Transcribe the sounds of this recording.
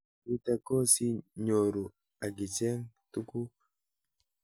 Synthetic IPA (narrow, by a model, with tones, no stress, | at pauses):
i˦ta˦ko˦si˦ɲo˨ɾu˨ | a˨ɡi˨t͡ʃe˦ŋtu˦ku˦